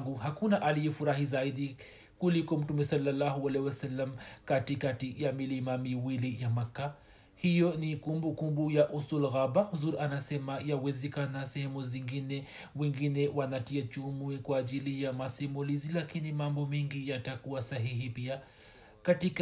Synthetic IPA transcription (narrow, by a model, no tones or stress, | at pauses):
ŋɡuhakunaʔalijɛfuɾahizaiɗi | kulikɔm̩tumɛsɔlːalːaɦualɛhiwasalːamkatikatijamilimamiwilijamaka | hijɔnikumbukumbujaʔust̪ulɣabahuzuɾanasɛmajawɛzɛkanasɛhɛmuziŋɡinɛ | wɛŋɡinɛwanatiat͡ʃumwikwaːʄilijamasimulizilakinimambɔmɛŋɡijatakuwasaɦiɦipia | katik